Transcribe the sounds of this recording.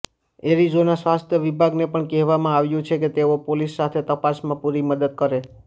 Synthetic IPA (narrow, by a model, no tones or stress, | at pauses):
eɾizonasʋast̪ʰjəʋibʱaɡnepəɳkɛɦʋamãaʋjũt͡ʃʰeket̪eopolisːat̪ʰet̪əpasmãpuɾiməd̪əd̪̚kəɾe